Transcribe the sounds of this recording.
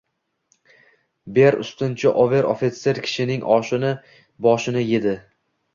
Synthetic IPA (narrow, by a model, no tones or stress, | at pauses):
be̞ɾʊ̰st̪ɪnt͡ʃʰɪʔove̞ɾofit̪seɾkʲʰɪ̥ʃɪnɪŋʔɒʃɪnɪ | bɒʃɪnɪje̞d̪ɪ